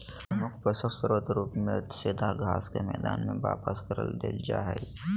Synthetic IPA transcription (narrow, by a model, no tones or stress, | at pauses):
əmʊkʰpɾəsəsɾət̪ɾuːpmẽt̪seːd̪ʱaɡʱaːskemɛːd̪a̰ːnmẽʋa̰ːpəskəɾə̰ld̪ḛːd͡ʒa̰ːɦɛ̰